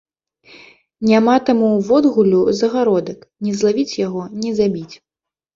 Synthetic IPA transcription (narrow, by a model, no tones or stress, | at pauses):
nʲamat̪amuːvɔd̪ɣulʲuzɐɣaɾɔd̪ɐknʲɛzlˠavʲit͡sʲjaɣɔnʲɛzabʲit͡sʲ